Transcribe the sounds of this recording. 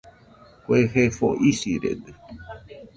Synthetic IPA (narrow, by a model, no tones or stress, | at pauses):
kʷweɦefo̰ʔisiɾḛd̪ɨ